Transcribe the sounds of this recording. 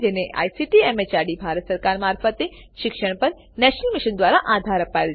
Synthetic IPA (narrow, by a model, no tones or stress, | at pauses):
d͡ʒeneʔa̰jsiʈiɛmet͡ɕaɖibʱaɾət̪səɾkaɾmaɾfət̪e | ʃɪkʃəɳ̃pəɾ | nɛʃnəlmiʃənd̪ʋaɾaʔad̪ʱaɾəpael